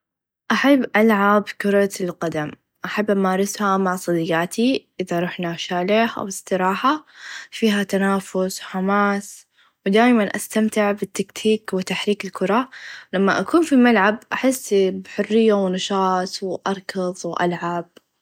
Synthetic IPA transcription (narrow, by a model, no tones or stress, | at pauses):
ʔaħabːʔalʕabkʊɾˤɑlqad̪am | ʔaħabːʔamaːɾˤɪshamaʕsˤɑd̪ɪjːaːt̪ʰiʔɪðaɾˤuːħnaʃaːlɪhʔa̰wɪsˤt̪ɪɾɑːħafiːɦat̪anaːfʊswħamaːs | wɪd̪aːjmanʔa̰st̪amt̪ɪʕbɪt̪ːakt̪ʰiːkwɪt̪aħɾiːkɪlkʰʊɾˤɑlamːaʔakuːnfimalʕabʔaħɪsːbħʊrːɪjːawnɑʃɑːt̪ˤwʔɑɾˤkɑðˤwʔa̰lʕab̚